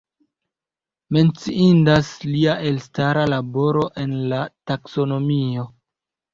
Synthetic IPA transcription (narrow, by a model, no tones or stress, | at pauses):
me̞nt͡siindasliaʔe̞lstaɾalabo̞ɾo̞ʔe̞nlatakso̞no̞mio̞